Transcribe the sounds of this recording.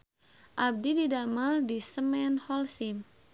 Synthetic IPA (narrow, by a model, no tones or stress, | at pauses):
ʔab̚dididamaldisəmɛnhɔlsim